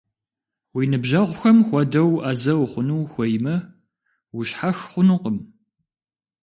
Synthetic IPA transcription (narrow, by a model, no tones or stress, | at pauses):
wiːnɨbʒaʁʷʊxɐmxʷɔdɐwʔaːzɐwχʷʊnuwxʷɔjmɐ | wʊɕħaxχʷʊnuqəm